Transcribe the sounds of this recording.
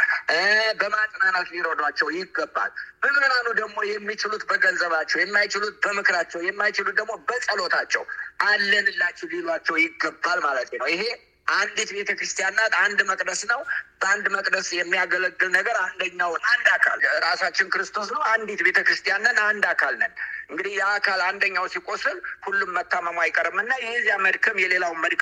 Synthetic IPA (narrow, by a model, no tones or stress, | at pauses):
bəmat̪ʼnanat̪lino̞d̪at͡ʃːɛwjɪɡːəbːa̰lmɨkɨɾanud̪əɡmo̞jɛmːit͡ʃɪlut̪bəɡənzəβat͡ʃːɛwjɛmːajt͡ʃɪlut̪̚bəmɨkɾat͡ʃːɛwjɛmːajt͡ʃɪlut̪̚d̪əɡmo̞bəsʼəlo̞t̪ʰat͡ʃːɛ̰wʔalːənɨlːat͡ʃːɛwlelwat͡ʃːɛwjɪɡːəbːalmalət̪ʰnəwɪɦe̞ | ʔand̪it̪be̞t̪ʰəkɾɨst̪ijanːat̪and̪məkʼd̪əsnəwb̥əand̪məkʼd̪əsjɛmːijaɡələɡ̪ːɨlnəɡəɾand̪əɲːawnand̪akʰa̰lɾasat͡ʃːɪnkɨɾɨst̪ʰo̞snəwand̪it̪be̞t̪ʰəkɾɨst̪ijanːənand̪akʰalnənʔɨŋɡɨd̪ihjɛakʰaland̪əɲːawsikʼo̞sɨlhulːumːət̪ːaməmajɪkʼəɾmɨnːajɛzjaməd̪kʰəmjɛle̞lawməd̪k